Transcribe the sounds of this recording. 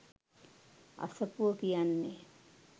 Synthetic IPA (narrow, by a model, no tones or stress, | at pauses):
a̰səpuʋəkijanːe